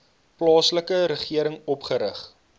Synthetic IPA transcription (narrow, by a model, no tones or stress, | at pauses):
plɑːsləkəɾəχiəɾəŋɔpχəɾəχ